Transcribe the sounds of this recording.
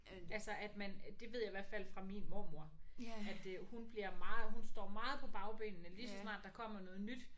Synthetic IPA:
ælsɒʔæd̥mænd̥e̝ʋe̝ð̞̰ˠjäiʋæɐ̰d̥fælfʁɑ̈minmo̝mo̝ɐ̰æd̥hunb̥liɐ̰mɑ̈ːð̩ˠhunsd̥ɒ̰ːmɑ̈ːð̩ˠpʰɒ̽b̥ɑ̈ʊb̥ḛːnənəlisɒsnɑ̰̈ːd̥ɑ̈kʰɒ̽m̰ɐnɔ̽ːð̩ˠnyd̥

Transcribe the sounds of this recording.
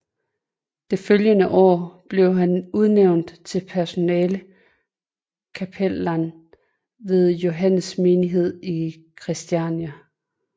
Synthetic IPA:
d̥e̝føljənəʔɒ̰ːb̥le̝ʊɦænuð̞ˠneʊ̰nd̥t͡sʰe̝lpʰæɐso̝nɛːlə | kʰæpʰel̰æn | ʋe̝ð̞ˠjo̝ɦæn̰əsme̝ːniɦe̝ð̞̰ˠi | kʰʁisd̥iænæ

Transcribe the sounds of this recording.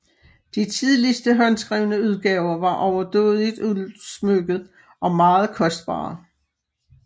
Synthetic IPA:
d̥it͡sʰið̞ˠlisd̥əɦɒnsɡ̥ʁḭːʊnəuð̞ˠɡ̥ɛːʊɐʋɑ̈ʔɒʊɐd̥ɔ̰ːð̩ˠid̥uðˠsmøɡ̥ð̩ˠ | ʔɒ̽mɑ̈ːð̞̩ˠkʰɒ̽sd̥b̥ɑ̰̈ː

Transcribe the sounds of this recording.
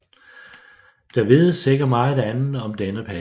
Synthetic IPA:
d̥æɐʋe̝ðˠseɡ̥ɐmɑ̈ːænn̩ɒ̽md̥enəpʰæ

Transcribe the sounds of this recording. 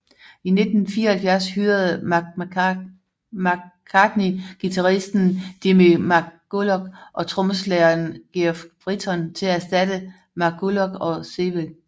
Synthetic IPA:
ine̝d̥n̩fiːɐhælfjæɐ̰shyːɐð̞̩ˠ | mkʰɑd̥niɡ̥it͡sʰɑ̈ʁisd̥n̩d̥imimɑɡ̥olɒɡ̥ʔɒ̽t͡sʰʁɔ̽məslɛɐnɡ̥iɐfʁit͡sʰɒ̽nt͡sʰe̝lææsd̥æd̥ə | mɑ̈ɡ̥ʰolɒɡ̥ɒ̽seʋe

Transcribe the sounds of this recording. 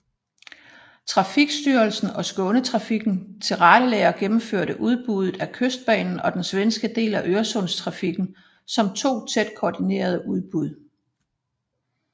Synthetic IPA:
t͡sʰʁɑ̈fiɡ̥sd̥yːɐlsn̩ɒ̽sɡ̥ɔ̽nət͡sʰʁɑ̈fiɡ̥n̩t͡sʰe̝lʁɑ̈ɾ̥əlɛːɐɡ̥emm̩føɐ̰ɾəʔuð̞ˠb̥uð̞ˠð̩ˠækʰøsd̥̚b̥ɛ̰ːnn̩ɒ̽d̥ensʋensɡ̥əd̥e̝̰ːlæʔøɐsɔ̽nst͡sʰʁɑ̈fiɡ̥n̩ | sɒ̽mt͡sʰo̝̰ːt͡sʰed̥̚kʰoːd̥ine̝̰ːɐð̞ˠəʔuð̞ˠb̥uð̞̰ˠ

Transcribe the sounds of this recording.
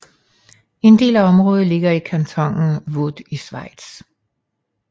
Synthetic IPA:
e̝nd̥e̝̰ːlæɒ̽mʁɔ̽ːð̞ˠle̝ɡ̥ɐikʰænt͡sʰɒ̽ŋ̰n̩ʋod̥isʋɑ̈ɪ̰d̥s

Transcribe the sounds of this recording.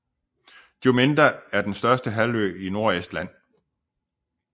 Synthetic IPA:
d̥jo̝me̝nd̥ʁɐæɐd̥ensd̥ɶɐsd̥əɦælø̰ːino̝ɐesd̥læn̰

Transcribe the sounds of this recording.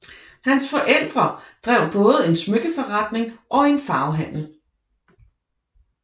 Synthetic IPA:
hænsfɒʔel̰d̥ʁɐd̥ʁɛ̰ʊ̰b̥ɔ̽ːð̩ˠəe̝nsmøɡ̥əfɒʁɑad̥ne̝ŋʔɒ̽e̝nfɑ̈ʊɦæn̰l̩

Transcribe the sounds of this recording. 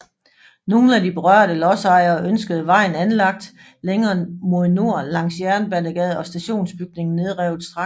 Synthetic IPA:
no̝ːn̩ædib̥e̝ʁɶɐ̰ɾəlɒ̽sɑ̈ɪ̰ɐːʔønsɡ̥əð̞̩ˠəʋɑ̈ɪ̰n̩ænlɑ̈ɡ̥̚d̥ | leŋɐːmo̝ðˠno̝ɐ̰lɑ̈ŋ̰sjæɐnəb̥ænəɡ̥ɛð̞ˠɒ̽sd̥æɕo̝̰ːnsb̥yɡ̥ne̝ŋn̩ne̝ð̞ˠʁɛʊð̩ˠsd̥ʁɑ

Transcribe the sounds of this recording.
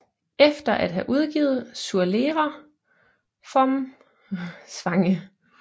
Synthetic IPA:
efd̥ɐʔæd̥ɦæʔuð̞ˠɡ̥ḭːð̞̩ˠsuɐle̝ːʁɐ | fɒ̽m | sʋɑ̈ŋə

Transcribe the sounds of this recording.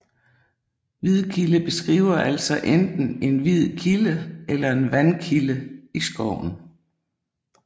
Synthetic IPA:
ʋið̞ˠkʰiləb̥e̝sɡ̥ʁḭːʊɐʔæl̰sɒʔend̥n̩e̝nʋið̰ˠkʰiləʔelɐe̝nʋænkʰiləisɡ̥ɒʊ̰n̩

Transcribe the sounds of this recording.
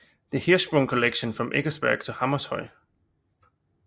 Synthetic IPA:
ðəhisb̥ɹɔ̃ŋkʰəlekʃə̃nfɹɒ̃mʔḛɡ̥əsb̥ɛɐɡ̥̚tʰəhɑməshɔɪ̰

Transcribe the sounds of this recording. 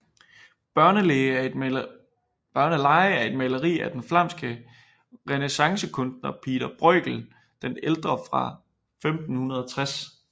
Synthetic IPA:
b̥ɶɐnəle | b̥ɶɐnəlɑ̈ɪæɐe̝d̥melɐʁḭːæd̥enflɑ̈m̰sɡ̥ə | ʁenesɑ̈ŋsəkʰɔ̽ndnɐpʰḭːd̥ɐb̥ʁœɡ̥l̩ | d̥eneld̥ʁɐfʁɑ̈ | femd̥n̩hunɐð̞ˠɒt͡sʰʁas

